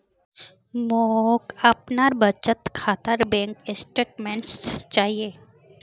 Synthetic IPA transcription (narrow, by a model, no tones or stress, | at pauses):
moːkɐpnaɾbət͡ʃət̪kʰaːt̪əɾbɛ̃ːŋkɪsʈeːʈmẽɳʈst͡ʃaːɦieː